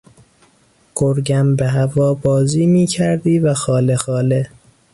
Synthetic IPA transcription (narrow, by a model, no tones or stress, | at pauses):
ɡ̥oɾɟæmbeɦævɒːbɒːziːmiːcʰæɾd̪iːvæxɒːlexɒːle